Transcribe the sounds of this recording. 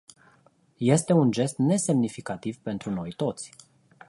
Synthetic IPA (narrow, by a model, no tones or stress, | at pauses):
je̞st̪e̞und͡ʒe̞st̪ne̞se̞mnifikat̪ivpe̞nt̪ɾuno̞jt̪o̞t̪sʲ